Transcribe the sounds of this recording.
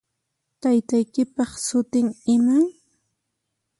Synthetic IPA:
t̪ajt̪ajkɪpɑχsʊt̪ɪŋɪmaŋ

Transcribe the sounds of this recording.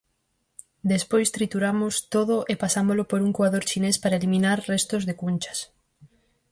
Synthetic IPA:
d̪espojst̪ɾit̪uɾamʊst̪oðʊʔepasamolʊpoɾuŋkuaðoɾt͡ʃinespaɾaelimĩnaɾrɛst̪ozðekunt͡ʃɐ̥s

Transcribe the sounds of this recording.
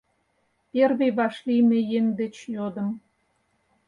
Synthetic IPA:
pʲerβeβɑʃlijmĕjeŋd̪et͡ɕjod̪ə̆m

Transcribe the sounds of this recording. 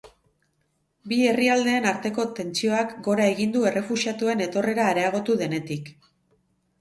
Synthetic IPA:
bie̞riald̪e̞ːnaɾt̪e̞ko̞t̪e̞nt͡sio̞akɡo̞ɾae̞ɣind̪ue̞re̞fusiat̪ue̞ne̞t̪o̞re̞ɾaːɾe̞aɣ̞o̞t̪uðe̞ne̞t̪ik

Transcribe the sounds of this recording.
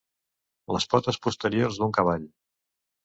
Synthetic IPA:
ləspɔt̪əspust̪əɾiorzd̪uŋkəβ̞aʎ

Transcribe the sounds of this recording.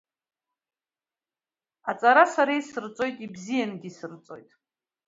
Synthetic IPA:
at͡sʼaɾasaɾaisɨrt͡sʼo̞jtʼibzijanɡʲisɨrt͡sʼo̞̰jtʼ

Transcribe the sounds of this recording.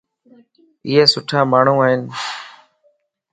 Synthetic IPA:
ɪɦeːsʊʈʰaːmaːɳ̤ũːaːɦɪn

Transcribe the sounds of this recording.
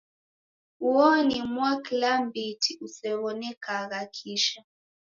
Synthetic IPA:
uɔnimwakilambitʰiusɛβɔnɛkʰaɣakʰiʃa

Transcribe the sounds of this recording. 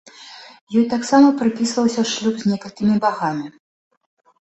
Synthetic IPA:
jɔjt̪aksamɐpɾɨpʲisvɐwsʲɐʂlʲubzʲnʲɛkɐlʲkʲimʲibaɣamʲi

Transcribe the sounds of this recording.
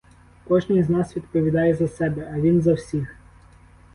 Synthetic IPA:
pot͡ɕʲnəiznasvʲɪt̪pəvʲɪd̪ajɪzɐsʲɛbʲɐɐd̪ʲinzɐfsʲix

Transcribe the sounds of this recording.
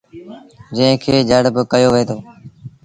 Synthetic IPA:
d͡ʒə̃ɦɪ̃kʰeːd͡ʒəɽbkəjoːʋeːt̪ʰoː

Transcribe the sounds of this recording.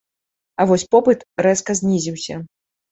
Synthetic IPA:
ɐvɔsʲpɔpɨt̪ɾɛskɐzʲnʲizʲiwsʲɐ

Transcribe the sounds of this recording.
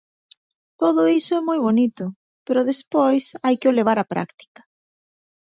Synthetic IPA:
t̪oðʊisoɛmojβonit̪ʊ | peɾʊðespojsajkɪoleβ̞aɾapɾa̰kt̪i̥kḁ

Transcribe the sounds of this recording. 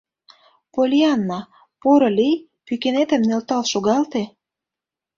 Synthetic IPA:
polʲiɑnːɑ | poɾɤ̆lʲij | pykenet̪ə̆mnelt̪ɑlʃoɣɑlt̪e

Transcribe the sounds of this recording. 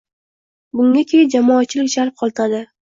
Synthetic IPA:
bʊŋʲakʲʰejɪd͡ʒamɒːt̪̚t͡ʃʰːɪlɪkʲd͡ʒaɾp̚qʰɒlˠt̪ʰad̪ɪ

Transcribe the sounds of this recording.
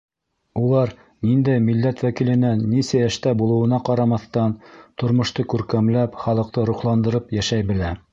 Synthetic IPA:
ulˠɑɾ | nind̪æjmilːæt̪wækilɘ̆nænisæjæʃt̪æbulˠɤ̆wɤ̆nɑqɑɾɑmɑθt̪ɑnt̪ŏɾmŏʃt̪ɤkʉɾkæmlæpχɑlˠɤ̆q̚t̪ɤɾuχlˠɑnd̪ɤ̆ɾɤpjæʃæjbɘ̆læ

